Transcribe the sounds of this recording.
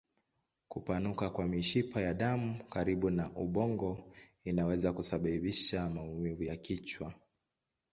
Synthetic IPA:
kupanukakwamiʃipʰajaɗamukaɾiɓunaʔuɓɔŋɡɔinawɛzakusaɓaviʃamaumivujakit͡ʃwa

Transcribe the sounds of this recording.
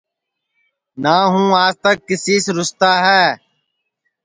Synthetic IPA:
naːɦũːaːzt̪əkːɪsiːsɾʊst̪aːɦɛː

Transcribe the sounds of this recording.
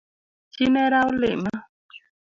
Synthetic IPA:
t͡ɕinɛɾawlḛma

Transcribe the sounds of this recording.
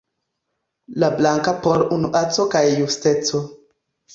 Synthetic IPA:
lablaŋkapoɾunuʔat͡so̞kajːustet͡so

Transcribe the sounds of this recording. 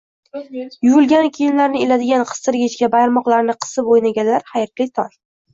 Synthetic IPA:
jʊʊlˠɡʲanɪkʲʰejɪnlaɾnɪelad̪ɪɡʲanqʰɨ̥st̪ɪɾɡʲɪt͡ʃkʲabajɾmɒqlˠaɾnɪqʰɨ̥sɪpojnaɡʲanlaɾhajɾt̪lɪt̪ʰɒn

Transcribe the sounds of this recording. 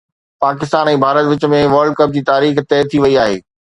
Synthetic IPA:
paːkɪs̬t̪aːnɛ̃ːbʱaːɾət̪ʋɪt͡ɕə̆mẽʋəɾlɖ̚kɐp̚d͡ʑiːt̪aːɾiːxt̪ɛːt̪ʰiʋɐiaːɦḛː

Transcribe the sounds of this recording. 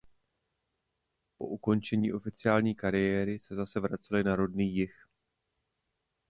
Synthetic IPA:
po̞̰ʔuko̞nt͡ʃɛɲḭːʔo̞fɪt͡sɪaːlɲiːkaɾɪjɛːɾɪsɛzasɛvɾat͡sɪlɪnaɾo̞dniːjɪx

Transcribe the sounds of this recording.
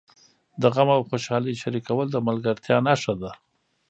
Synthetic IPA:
d̪əɣamawxoʃɑləjʃaɾikawəld̪əmalɡəɾt̪ʰjɑnaʂad̪a

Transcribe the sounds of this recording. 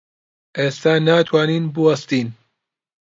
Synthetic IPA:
ʔeːst̪aːnaːt̪ʰwaːniːnbɨwɐst̪iːn

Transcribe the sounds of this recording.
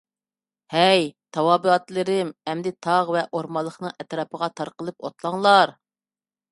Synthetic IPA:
hɛjt̪ʰɑwɑːbɨɑt̪lˠɨɾɪmɛmd̪ɪt̪ʰɑʁvɛʔoɾmɑlˠːəχnɨŋɛt̪ɾɑpʰəʁɑt̪ʰɑɾqəlˠɨpo̰t̪lˠɑŋlˠɑɾ

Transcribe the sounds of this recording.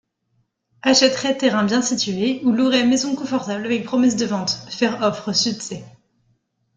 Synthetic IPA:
aʃɛt̪χɛt̪ːeʁɛ̃bjɛ̃sit̪ɥeuluʁɛmezɔ̃kɔ̃fɔʁt̪ablavɛk̚pχɔmɛs̬d̪əvɑ̃t̪fɛʁɔfχəsyksɛ

